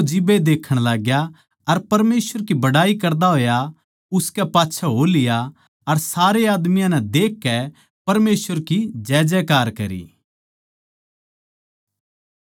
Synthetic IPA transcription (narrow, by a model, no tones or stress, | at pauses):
d͡ʒɪbed̪eːkʰəɽ̃laːɡja | ɐɾpɐɾmeːsʋəɾkibɐɽaːikɐɾd̪aɦoːja | ʊskɛpaːtːʃʰaɦolɪja | ɐɾsaːɾeaːd̪mijãnɛ̃d̪eːkːɛ | pɐɾmeːsʋəɾkid͡ʒɛːd͡ʒɛkaːɾkɐ̰ɾḭː